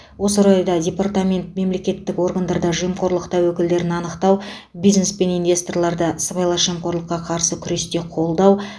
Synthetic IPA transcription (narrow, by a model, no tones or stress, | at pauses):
wo̞səɾɑjd̪ɑdʲe̞part̪amʲe̞nt̪̚me̞mle̞kʲe̞t̪ːɪko̞rɡand̪ɑɾd̪ɑʒijəmqʰo̞ɾlˠəqt̪ɑwɵkʲɪld̪e̞ɾɪnɑnəqt̪ɑw | bijzne̞spe̞nijnvʲe̞st̪orlˠɑɾd̪əsəbɑjlˠɑʒijmqo̞ɾlˠəqːɑqʰɑɾsəkʲʰʏɾe̞st̪e̞qʰo̞lˠd̪ɑw